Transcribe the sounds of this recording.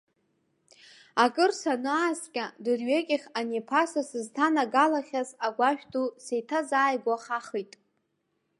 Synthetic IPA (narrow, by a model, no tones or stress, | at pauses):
akʼɨrsanaːskʲʼadɨrɥekʲʼɪχʲanepʰasasɨztʰanaɡalaχʲazaɡʷaʃᶣtʰʼusejtʰazaːjɡʷaaχaχijtʼ